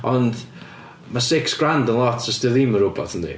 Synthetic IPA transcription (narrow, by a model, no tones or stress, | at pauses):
ɔnd | masɪksɡ̥randənlˠɔtʰəstɪlˠiməɾʊbɔ̰θəndḭ